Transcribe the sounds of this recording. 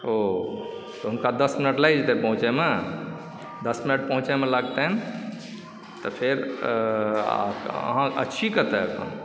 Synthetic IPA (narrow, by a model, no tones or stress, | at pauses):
o | t̪ɔɦunkad̪əsminəʈlajd͡ʒt̪epə̃ɦũt͡ʃeme | d̪əsminəʈ̚pə̃ɦũt͡ʃemeləɡt̪en | t̪ɔpʰeɾ | ə̰ɦãʔə̰ːʃʰikət̪ɛəkʰə̰̃n